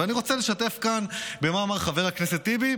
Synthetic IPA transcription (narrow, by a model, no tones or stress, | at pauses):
aniʁo̞t͡sele̞ʃate̞fkanbe̞maːmaʁχave̞ʁakneset̪ːibi